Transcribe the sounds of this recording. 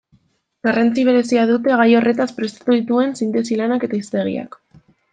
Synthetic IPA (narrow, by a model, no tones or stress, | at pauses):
ɡ̥arant͡siβ̞e̞ɾe̞siað̞ut̪e̞ɣ̞ajore̞t̪aspɾe̞st̪ḁt̪uðit̪ue̞nsint̪e̞silanake̞t̪aist̪e̞ɣḭa̰k